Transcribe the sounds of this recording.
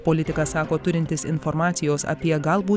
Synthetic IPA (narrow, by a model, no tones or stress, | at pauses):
poːlʲɪt̪ʲɪkɐsɑːkoːt̪ʊɾʲɪnʲt̪ʲɪsɪnfɔɾmɑːt̪sʲɪjoːsɐ̰pʲiɛɡɐlˠbuː